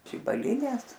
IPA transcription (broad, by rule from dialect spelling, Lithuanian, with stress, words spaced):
ʒʲɪbɐlʲɪˈnʲeːs